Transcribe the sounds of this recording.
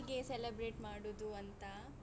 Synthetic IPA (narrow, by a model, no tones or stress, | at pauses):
ɡeselebɾeːʈmaːɽud̪uɐnt̪ɐ